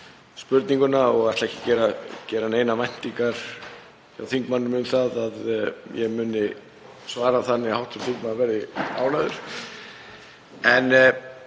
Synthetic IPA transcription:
spʏɾt̪niŋkʏnaɔɣaht̪laɛhcɪ̥cɛːɾacɛːɾaneːjnamajn̥t̪iŋkaɾ̥ | jawθiŋkmanːʏmʏmθaðaðjɛmʏːnɪ | svaːɾaθanːɪahawht̪fʏɾθiŋkmanːvɛːɾðɪa̰ːwlaðʏɾ̥ | ɛn

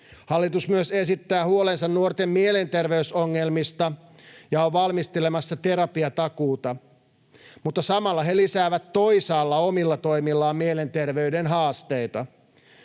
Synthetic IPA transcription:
hɑlːit̪usmyøse̞sit̪ːæːhuolensɑnnuort̪emmiele̞nt̪erʋe̞ysoŋːelmist̪ɑjɑoʋʋɑlmist̪elemɑsːɑt̪e̞ɾɑpiɑt̪ɑkuːt̪ɑ | mut̪ːɑsɑmɑlːɑɦelisæːʋæt̪ːo̞isɑːlːɑomilːɑt̪o̞imilːɑːmmiele̞nt̪e̞rʋeydenɦɑːst̪ejt̪ɑ

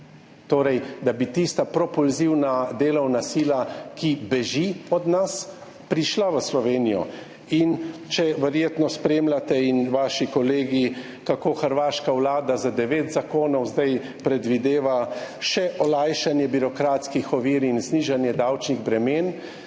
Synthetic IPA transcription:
t̪oːɾɛjd̪abit̪ist̪apɾɔpulziwnad̪eːlɔwnasiːlakibɛʒiɔd̪nas | pɾiʃlaʋəslɔʋeːnijɔ̰ | int͡ʃɛʋɛɾjeːt̪nɔspɾeːmlʲat̪ɛinʋaːʃikɔleːɡi | kakoːxəɾʋaːʃkawlaːd̪azad̪ɛʋeːt̪zakoːnɔwzd̪aj | pɾɛd̪ʋid̪eːʋaʃɛʔɔlajʃanjɛbiɾɔkɾaːt̪skixɔʋiːɾinzniːʒanjɛd̪awt͡ʃniɣbɾɛmeːn

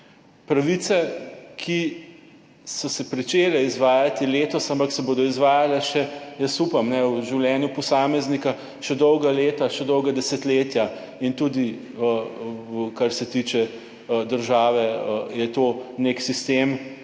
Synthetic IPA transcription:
pɾaʋit̪sɛkʰi | sɔsɛpɾit͡ʃelɛizʋaːjat̪ileːt̪ɔsampaksɛboːd̪ɔizʋaːjalɛʃɛjəsupɐmnɛwʒiwlʲjɛːnjupɔsaːmɛznika | ʃɛd̪ɔwɡaleːt̪aʃɛd̪ɔwɡad̪ɛsɛt̪leːt̪ja | int̪uːd̪i | ə | kaɾsɛt̪iːt͡ʃɛ | d̪əɾʒaːʋɛəjɛt̪oːneksist̪eːm

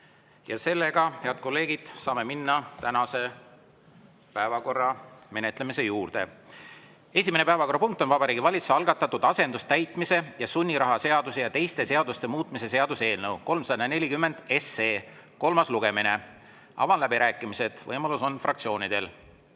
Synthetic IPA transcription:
jɑse̞lːe̞ɡ̥ɑhe̞ɑd̪̥̚ko̞lːe̞ːɡid̪̥sɑːme̞minːɑt̪ænɑse̞ | pæevɑko̞rːɑme̞ne̞t̪ːˑle̞mise̞juːrd̪̥e̞̰ | e̞sʲime̞ne̞pæevɑko̞rɑpuŋk̚t̪ːˑo̞nvɑbɑɾiːɡivɑlʲit̪seɑlɡ̥ɑt̪ːˑɑt̪ːˑud̪̥ɑse̞nd̪ust̪æjt̪ˑmise̞jɑsunʲːiɾɑɦɑse̞ɑd̪̥usejɑt̪e̞jst̪e̞se̞ɑd̪ust̪e̞muːt̪ːˑmise̞se̞ɑd̪̥use̞ːlnɤwko̞lmsɑd̪ɑne̞lʲikymːe̞nd̪̥e̞se̞ː | ko̞lmɑsluɡ̥e̞mine̞ | ɑ̰vɑnlæbiɾʔæːkːˑimise̞d̪̥vɤjmɑluso̞nfrʔɑ̰kt̪sio̞ːnid̪̥e̞l

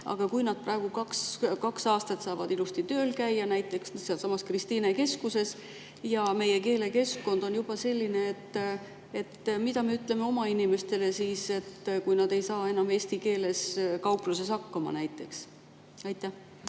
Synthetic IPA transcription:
ɑ̰ɡ̥ɑkujnɑd̪̚prʔɑeɡ̥ukɑkskɑksɑːst̪ɑt̪sɑːvɑd̪ilust̪it̪ø̞ːlkæjːɑnæjt̪ːˑe̞ksseɑlsɑmɑskrist̪iːneke̞skuse̞s | jɑme̞je̞ke̞ːle̞ke̞skko̞nd̪̥o̞njub̥ɑse̞lʲːineet̪ːˑ | e̞t̪ːmid̪ɑmeyt̪ˑle̞meo̞mɑinime̞st̪e̞le̞siːse̞t̪kujnɑd̪̥e̞jsɑːe̞nɑme̞ːst̪ike̞ːle̞skɑwpluse̞sɑkːɑmɑ̰næjt̪ːˑe̞ks | ɑjt̪ˑːæh

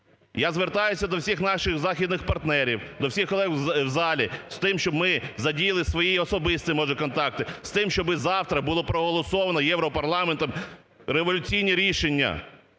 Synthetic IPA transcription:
jazʋert̪ɑjʊsʲɐd̪ɔwsʲixnɑʃɪxzɑxʲid̪nɪxpɐrt̪nɛɾʲiwd̪ɔwsʲixkɔlˠɛɣwzɑlʲist̪ɪmʃt͡ʃɔbmɪzɐdʲijɐlˠɪsʋɔjiɔsɔbɪst̪ɪmɔʒɛkɔnt̪ɑk̚t̪ɪst̪ɪmʃt͡ʃɔbɪzɑwt̪ɾɐbulˠɔpɾɔɦɔlˠɔsɔʋɐnɔjɛwɾɔpɐrlˠɑment̪ɔm | ɾeʋɔlʲʊt͡sʲijnʲiɾʲiʃenʲːɐ̰

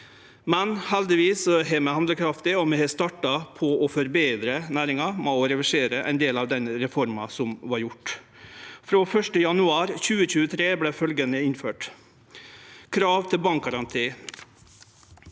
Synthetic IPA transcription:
mɛnhɛld̪ɪʋiːsɔɦeːmɛhɑnd̪ləkʰɾɑft̪ɪɔmɛhest̪ɑʈɑpʰɔɔfɔɾbeːd̪ɾənæːɾɪŋɑmɛːɔɾɛʋɪʂeːɾəʔæ̰ɪnd̪eːlɑːʋd̪ɛnɾɛfɔɾmɑsɔmʋɑɾjʊʈ | fɾoːfœʂʈəjɑnʉɑːɾçʉːəçʉːət̪ʰɾeːblɛfœlɡənəɪnføːʈ | kʰɾɑːʋt̪ʰɪlbɑŋk̚ɡɑɾɑnt̪ʰiː

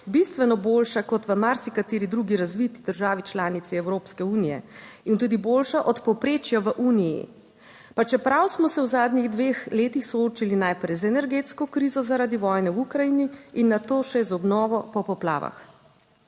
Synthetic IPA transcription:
bist̪ʋɛnɔboːlʃakɔt̪ʋəmaɾsikat̪eːɾid̪ɾuːɡiɾazʋit̪id̪əɾʒaːʋit͡ʃlaːnit̪siɛwɾoːpskɛuːnijɛ̰int̪uːd̪iboːlʃaʔɔt̪pɔwpɾeːt͡ʃjaʋəʔuːnijḭ | pat͡ʃɛpɾawsmɔsɛwzaːd̪niɣd̪ʋeːxleːt̪ixsɔoːt͡ʃilinajpɾɛjzɛnɛɾɡeːt̪skɔkɾiːzɔzaɾaːd̪iʋɔːjnɛwukɾajiːniinːat̪oːʃɛzɔbnɔːʋɔpɔpɔpla̰ːʋa̰x

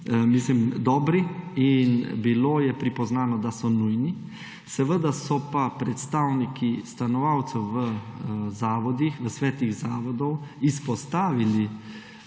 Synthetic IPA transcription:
mislimd̪ɔːbɾiinbiloːjɛpɾipɔznaːnɔd̪asɔnujni | sɛʋəd̪asɔpapɾɛt̪st̪awnikist̪anɔʋawt̪sɛwʋəzaːʋɔd̪ixʋəsʋɛːt̪iɣzaːʋɔd̪ɔwispɔst̪aːʋili

